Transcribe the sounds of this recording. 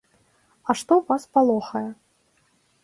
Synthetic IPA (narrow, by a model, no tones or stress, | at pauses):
ɐʂt̪ɔwvaspalˠɔxɐjɛ